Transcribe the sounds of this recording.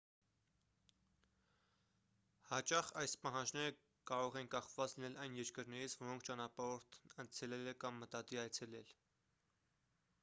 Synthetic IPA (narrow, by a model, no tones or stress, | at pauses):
hɑt͡ʃɑχɑjspɑɦɑnd͡ʒnɛɾə | kɑɾɔʁɛnkɑχvɑt͡slinɛlɑjnjɛɾkəɾnɛɾit͡sʰvɔɾɔŋkʰt͡ʃɑnɑpɑɾɔɾt̪ʰənt͡sʰɛlɛlɛkɑmːət̪ɑt̪iɑjt͡sʰɛlɛl